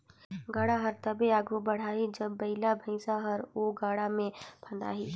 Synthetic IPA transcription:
ɡaːɽaɦɐɾt̪ɐbeaːɡʱubɐɽ̤aːid͡ʒɐbːɐɪlabʱɐɪsaɦəɾoɡaːɽamẽpʰɐ̃nd̪a̰ːɦiː

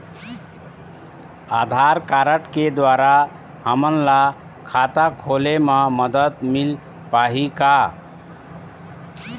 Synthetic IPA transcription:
ad̪ʱaɾkaɾəʈked̪waɾa | həmənla | kʰat̪akʰoleməməd̪ət̪mil | paɦika

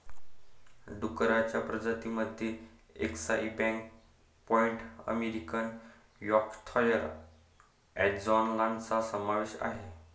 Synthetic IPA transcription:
ɖukɾat͡ɕjapɾəd͡ʑat̪iməd̪ʱjeḛksaibɛ̃ŋk | pɔiɳʈə̰meɾikən | jɔkt̪ʰɔjəɾ | ɛʈd͡zɔnlãnt͡sasəmaʋeɕa̰ɦe

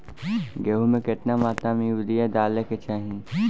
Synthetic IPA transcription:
ɡeɦumẽkɪʈ̪namaːt̪amĩʋɪd̪ijad̪aːleket͡ʃaːɦĩ

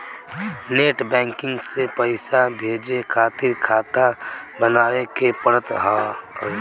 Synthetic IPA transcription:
neʈbɛ̃ŋkɪŋɡsepəɪsabʱed͡ʒekʰat̪iɾkʰat̪abənawekepəɾət̪ɦã

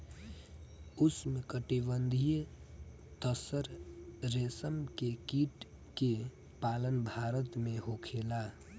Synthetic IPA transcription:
ʊsmẽkəʈiβənd̪ʱijə | t̪əsəɾɾeːsəmkekiʈ | ke | paːlənbʱaːɾət̪mẽɦokʰela

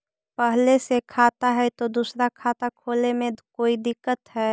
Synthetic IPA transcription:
pəɦlesekʰaːt̪aɦɛt̪od̪uːsɾakʰaːt̪akʰoːlemẽkoːid̪ɪkːət̪ɦɛː

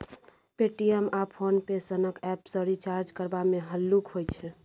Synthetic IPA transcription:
peʈiemapʰonpesənəkɛpsəɾit͡ʃaɾd͡ʒkəɾbamẽɦəlːukɦojt͡ʃʰɛ

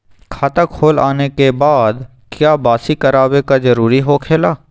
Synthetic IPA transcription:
kʰaːt̪akʰoːla̰ːnekebaːd̪ | kjaːbaːsikɐɾaːwekad͡ʒɐɾuːɾiɦokʰeːlaː

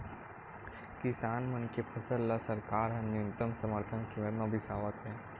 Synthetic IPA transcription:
kɪsaːnmɐnkepʰɐsəlːasɐɾkaːɾɦɐ̃nːĩnt̪əmsɐməɾt̪ʰənkimeɾmabʱɪsaːʋət̪ɦɛ̃ː

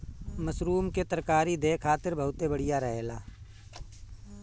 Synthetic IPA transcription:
mɐsɾuːmket̪ɐɾkaːɾid̪eːkʰaːt̪ɪɾbɐɦʊt̪ebɐɽ̤ijaɾɐɦeːlaː

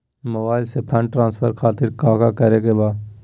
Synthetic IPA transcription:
məʋaːɪlseːpʰəɳʈɾãːnspʰəɾkʰaːt̪ɪɾkaːkaːkəɾeːɡeːbaː

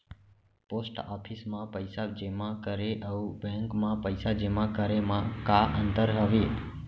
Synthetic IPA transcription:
posʈɔpʰismãpəjsad͡ʒemãkəɾeʔəubɛ̃ŋkmãpəjsad͡ʒemãkəɾemãkaʔənt̪əɾɦəʋe

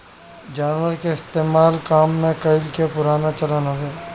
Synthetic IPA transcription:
d͡ʒaːnwəɾkeɪst̪eːmaːlkaːmːẽkɐɪlkepʊɾaːnat͡ʃɐlaːnaɦeː

